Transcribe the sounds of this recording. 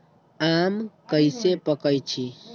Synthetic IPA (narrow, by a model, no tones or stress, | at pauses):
amkəɪsepəkəjt͡ʃʰi